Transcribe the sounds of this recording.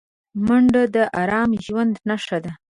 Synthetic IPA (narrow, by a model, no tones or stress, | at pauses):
maɳɖad̪əʔɑɾɑmʒwand̪naʂad̪a